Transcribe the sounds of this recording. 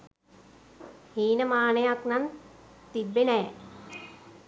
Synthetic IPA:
hiːnəmaːnəjaknant̪ibːenɛː

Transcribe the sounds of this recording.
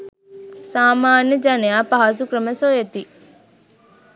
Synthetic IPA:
saːmaːnjəd͡ʒanejaːpaɦas̬ukɾəməsojet̪i

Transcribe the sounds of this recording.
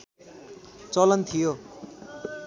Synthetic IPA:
t͡sʌlʌnt̪ʰijo

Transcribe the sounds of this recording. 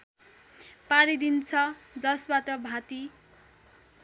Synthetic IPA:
paɾid̪int͡sʰʌd͡zʌsbat̪ʌbʱãt̪i

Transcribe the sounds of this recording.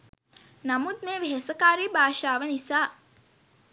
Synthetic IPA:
nɐmud̪̚meːʋeɦesəkaːɾiːbʱaːʃaːʋənisaː

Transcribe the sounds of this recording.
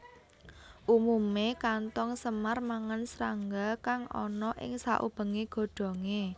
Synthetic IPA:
ʔumumekant̪ɔŋsəmarmaŋənsɾaŋɡakaŋʔɔ̰nɔʔɪ̰ŋsaʔṵb̥ə̤ŋeɡ̥ɔ̤ɖ̥ɔ̤ŋe

